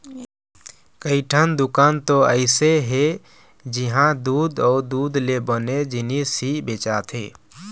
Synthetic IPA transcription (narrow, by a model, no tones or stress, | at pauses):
kəiʈʰənd̪ʊkaːnt̪oəɪseɦe | d͡ʒiɦãd̪uːd̪ɔːɾd̪uːd̪lebəned͡ʒɪnisibet͡ʃat̪ʰɦḛː